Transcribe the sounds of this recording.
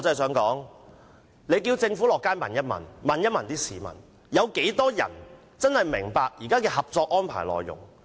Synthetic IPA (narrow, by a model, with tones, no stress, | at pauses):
t͡sɐ˧˥˧js̬œː˨˥ŋkɔː˨˥ŋ | le˨˧jk̬iː˧wt͡sɪ˧ŋfu˨˥lɔː˨˩kːaː˥jmɐ̰˨njɐ˥t̚mɐ̰˨˩nmɐ˨njɐ˥t̚mɐ˨˩nt̪iː˥siː˨mɐ̰˨˩n | jɐ˨˧wke˨˥jt̪ɔː˥jɐ̰˨˩n | t͡sɐ˥nhɐ˨jmɪ˨˩ŋpaː˧k̚jiː˨˩kaː˥kɛː˧hɐ˨p̚t͡sɔː˧k̚ʔɔː˥npʰa̰ː˨˩jlɔ̰ː˨˩jːʊ̰˨˩ŋ